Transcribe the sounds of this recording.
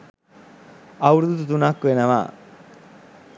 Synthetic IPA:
ɐwɾd̪ut̪ut̪unakːuʋenɐʋa̰

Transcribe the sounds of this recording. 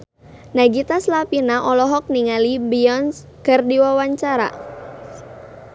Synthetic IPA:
naɡit̪aslapinaʔɔlɔɦɔk̚niŋalibiɔns | kɨrdiwawaɲt͡ʃaɾa̰

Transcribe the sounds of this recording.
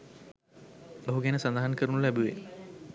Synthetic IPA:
bəɦuɡɛnəsand̪aɦankəɾunulæbuʋḛ

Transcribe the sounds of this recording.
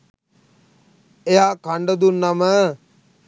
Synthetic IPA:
eɦakʰaɳɖəd̪unːamə

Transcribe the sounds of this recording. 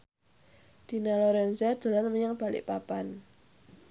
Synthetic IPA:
d̪̥i̤nalɔɾɛnzad̪̥a̤lanməɲaŋb̥a̤lɪ̰ʔpapan

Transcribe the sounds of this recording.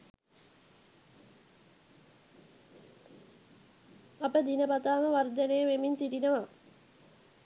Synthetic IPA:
apəd̪inəpat̪aːməʋard̪ənəjəʋeminsiʈinəʋa

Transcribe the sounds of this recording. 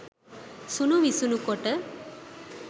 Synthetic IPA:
sunuʋisunukoʈə

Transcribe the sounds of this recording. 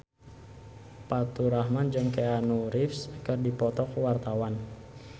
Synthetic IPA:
pat̪uɾahmand͡ʒɨŋkeanuɾifskɨrdipɔt̪ɔkwart̪awan

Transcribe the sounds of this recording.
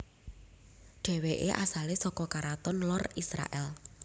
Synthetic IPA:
ɖ̥ɛ̤weʔeʔasalesɔkɔkaɾat̪ɔnlɔrisɾa̰ʔɛl

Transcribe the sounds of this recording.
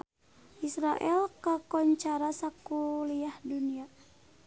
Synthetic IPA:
ʔisɾaʔɛlkakɔɲt͡ʃaɾasakuliahdunia

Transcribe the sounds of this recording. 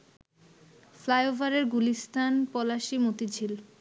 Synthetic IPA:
flajovʱaɾeɾɡulist̪ʰanpɔlaʃimot̪id͡ʑʱil

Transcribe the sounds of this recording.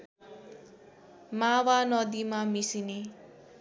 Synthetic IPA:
mawanʌd̪imamisine

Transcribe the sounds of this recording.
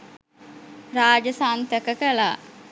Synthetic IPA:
ɾaːd͡ʒəsaːnt̪əkəkəlaː

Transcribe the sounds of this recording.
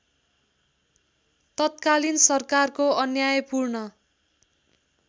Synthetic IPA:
t̪ʌt̪̚kalinsʌrkarkoʌnjajpurnʌ

